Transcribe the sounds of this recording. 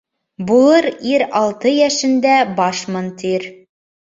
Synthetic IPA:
bulˠɤɾiɾɑlˠt̪ɤjæʃɘ̆nd̪æbɑʃmŏnt̪iɾ

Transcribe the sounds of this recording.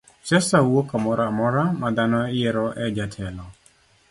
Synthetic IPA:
t͡ʃɛsawokamɔɾamɔɾamad̪anɔɪjɛɾɔʔɛd͡ʒatʰɛlɔ

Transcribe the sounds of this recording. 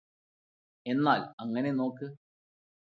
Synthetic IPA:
e̞nːaːlɐŋːɐne̞no̞ːkːɨ

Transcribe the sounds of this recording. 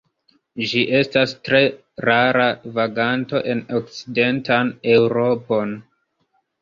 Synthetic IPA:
d͡ʒiʔe̞stastɾe̞ | ɾaɾavaɡanto̞ʔe̞nok̚t͡side̞ntane̞wuɾo̞po̞n

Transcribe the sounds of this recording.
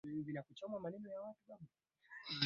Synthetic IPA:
vinakut͡ʃɔmamanɛnɔjawatuɓaɓu

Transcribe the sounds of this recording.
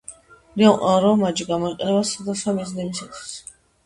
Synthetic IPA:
ɾianqʼaɾɔmad͡ʒiɡamɔiqʼɛnɛbasad̪asamiznimisat̪ʰi̥s

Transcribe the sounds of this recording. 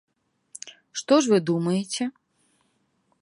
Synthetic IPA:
ʂt̪ɔʂvɨd̪umɐjet͡sʲɛ

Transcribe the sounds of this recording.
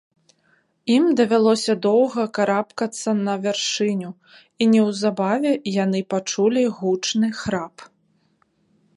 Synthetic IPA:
imd̪ɐvʲalˠɔsʲɐd̪ɔwɣɐkaɾapkɐt̪sːɐnɐvʲarʂɨnʲu | inʲɛwzabavʲɛjanɨpat͡ʂulʲiɣut͡ʂnɨxɾap

